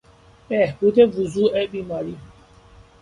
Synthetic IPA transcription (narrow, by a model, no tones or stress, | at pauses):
ɛhbud̪evuzuɛbiːmɑːɾi